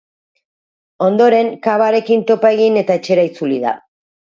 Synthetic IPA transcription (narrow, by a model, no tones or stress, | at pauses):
o̞nd̪o̞ɾe̞ŋkaβaɾe̞kint̪o̞pae̞ɣ̞ine̞t̪aet͡ʃe̞ɾait͡suliða̰